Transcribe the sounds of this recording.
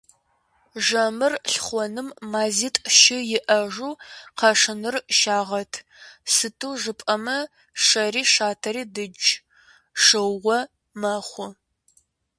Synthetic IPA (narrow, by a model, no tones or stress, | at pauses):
ʒɐmɨrɬχʷɔnɨmːaːziːtʼʃɪjɪʔɐʒuːqɐʂɨnɨrʃaːʁɐtʰ | sɨtʰuːʐɨpʼɐmɐ | ʂɐriːʂaːtʰɐɾiːdɨd͡ʒ | ʂɨwʁɔ | mɐχʷʊ